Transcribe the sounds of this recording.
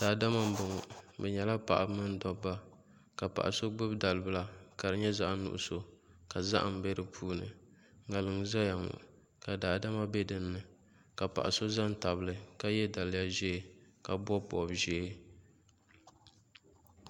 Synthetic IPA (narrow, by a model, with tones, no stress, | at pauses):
d̥aː˨da˦ma˦m̩˦bʊ˨ŋɔ˨bɛ˨ɲɛ˨la˦pa̰˨ʔa˨˦mɨ˦n˦dɔ˨bːa˦ | ka˨pa̰˨ʔa˨so˦ɡ͡bɨ˦bda˨lɨ˨˦bɨ˦la˨ka˨ɾɨ˨ɲɛ˦za˦ʔnṵ˦ʔʊ̰˦˨so˨ | ka˨za̰˦ʔa̰˨m̩˨be˦ɾɨ˦pʰuː˦nɨ̰˨ | ŋa˨lɨ˨ŋza˦ja˨ŋʊ̰˨ | ka˨daː˨˦da˦ma˦bɛ˦dɨ˨nːɨ˨ | ka˨pa̰˨ʔa˨so˦za˦n˦ta˨bɨ˦lɨ˨ka˦jɛ˦da˨lja˦ʒeː˦˨ka˨bɔ˦pɔ̰˨bʒɛ˦